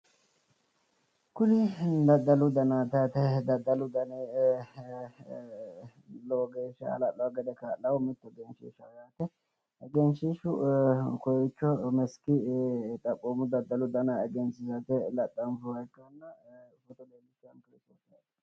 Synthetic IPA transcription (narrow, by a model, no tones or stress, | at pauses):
kʊlɪd̪ɐd̪ːɐlʊd̪ɐnaːt̪ɐt̪ɛd̪ɐd̪ɐlʊd̪ɐneː | loːɡeːʃɐ̰lɐlːɐwɡɛd̪ɛkalːɐwmɪt̪ːɛɡɛnʃḭːʃɐwjaːt̪ɛ | ɡɛnʃiʃʊkɔjɪt͡ʃːɔmɛskɪt̪ʼɐkʼːoːmʊd̪ɐd̪ːɐlʊd̪ɐnaɛɡɛnsɪsɐt̪ɛlɐt̪ʼːɐnfʊwɐjkːɐnːɐʊfɔt̪ɔleːlɪt͡ʃːɐnkɪɾɪst̪oːsɐ